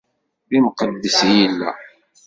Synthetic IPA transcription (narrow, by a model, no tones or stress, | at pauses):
ðimqəd̪ːəsjəlːæ